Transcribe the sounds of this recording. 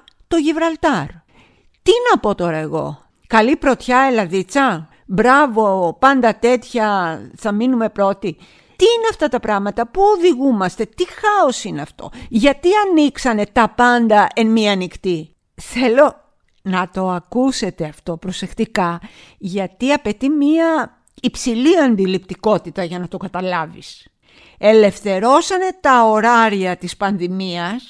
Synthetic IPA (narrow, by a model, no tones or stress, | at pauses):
t̪o̞ʝivɾɐlt̪ɐɾ | t̪inɐpo̞t̪o̞ɾɐeɣo̞̰ | kɐlipɾo̞t̪çɐelɐðit͡sɐ | bɾɐvo̞pɐnd̪ɐt̪e̞t̪çɐθɐminume̞pɾo̞t̪i | t̪iineɐft̪ɐt̪ɐpɾɐɣmɐt̪ɐpuoðiɣumɐst̪e̞t̪ixɐo̞sineɐft̪o̞̰ʝɐt̪iɐniksɐne̞t̪ɐpɐnd̪ɐʔenmiɐːnikt̪i | θe̞lo̞ | nɐt̪o̞ɐkuse̞t̪e̞ɐft̪o̞pɾo̞se̞xt̪ikɐ | ʝɐt̪iɐpe̞t̪imiɐ | ipsiliɐnd̪ilipt̪iko̞t̪it̪ɐʝɐnɐt̪o̞kɐt̪ɐlɐvḭs | e̞le̞fθe̞ɾo̞sɐne̞t̪ɐo̞ɾɐɾiɐt̪ispɐnðimiɐs